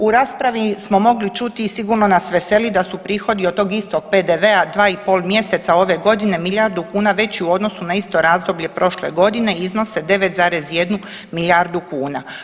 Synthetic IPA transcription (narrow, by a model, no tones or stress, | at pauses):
uɾaːspɾaʋismo̞mo̞ɡlit͡ʃut̪isiɡuɾno̞nasʋe̞se̞lid̪asupɾiːxo̞d̪iot̪o̞ɡist̪ok̚pe̞d̪eʋe̞ad̪ʋaːipo̞ːlˠmje̞se̞t̪sao̞ʋe̞ɡo̞d̪ine̞miljaːɾd̪ukuːnaʋe̞t͡ɕiuo̞d̪no̞sunaist̪o̞ɾaːzd̪o̞bʎe̞pɾo̞ʃle̞̰ɡo̞d̪ine̞izno̞se̞d̪e̞ʋet̪zaːɾe̞zje̞d̪nu | miljaɾd̪ukuːna